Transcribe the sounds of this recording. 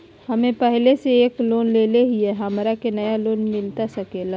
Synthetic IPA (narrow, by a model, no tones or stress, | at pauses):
hɐmẽpɛɦleseeːkloːnleːleɦiɦɛɦɐmɾakenɐjaloːnmɪlt̪asɐkeːla